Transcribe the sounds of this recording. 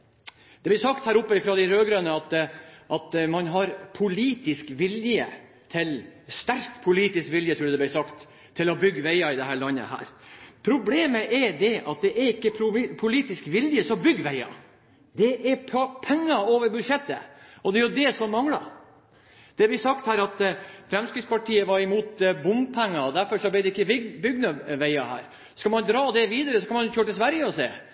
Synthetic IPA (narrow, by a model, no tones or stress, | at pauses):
d̪̥ɛblɪɾsɑkt̪hæːɾʊpːəɪfɾɔd̪ɪɾøːɡɾønəɑt̪ʔɑt̪mɑnɦɑɾpʰʊliːt̪ɪskʋɪljə̰ | t̪ʰɪlst̪æɾkt̪pʰʊliːt̪ɪskʋɪljət̪ʰɾuːɖ̪d̪ɛblɪsɑkt̪ʰː | ɪlɔbʏɡːʋæɪɑɪd̪ɛɦæːɭɑnːə̰hæ̰ːɾpʰɾʊbleːməʔɛɖ̪ɛʔɑt̪̚d̪ɛʔæɾɪkːəpʰʊpʰʊliːt̪ɪskʋɪljəsɔɔbʏɡːʋæɪɑ̰ | d̪ɛʔɛɾpʰɛŋːɑoːʋəɾbʉd̪ʂɛt̪ːə̰ʔɔd̪ɛæɾjʊd̪ɛsɔmːɑŋlɑ̰ | d̪̥ɛʋɪsɑkt̪hæːɾɑt̪fɾɛmskɾɪt̪spɑʈʰiːəʋɑɾɪmuːt̪bʊmpʰɛŋːɑɔd̪æɾfɔɾʂɔblɛd̪ɛɪkːəbʏɡnəʋæɪɑhæ̰ːɾ | skɑmɑnd̪ɾɑːd̪ɛʋiːd̪əɾəsɔkʰɑnmɑnjɕøːəʈɪlsʋæɾjəɔsḛː